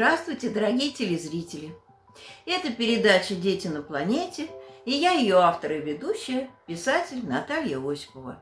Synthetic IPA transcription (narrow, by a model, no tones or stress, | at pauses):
ɾast̪vʊjtʲɪd̪əɾɐɡʲijətʲɪlʲɪzɾʲitʲɪlʲɪ | ɛt̪əpʲɪɾʲɪd̪at͡ɕədʲetʲɪnəplˠɐnʲetʲɪɪjajɪjo̞aft̪əɾɨvʲɪd̪uɕːɪjəpʲɪsatʲɪlʲnɐt̪alʲjəosʲɪ̥pəvə̰